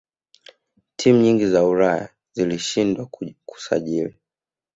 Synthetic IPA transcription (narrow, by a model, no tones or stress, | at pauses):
tʰim̩uɲiŋɡizauɾaja̰ | ziliʃindwaku̥sa̰ʄili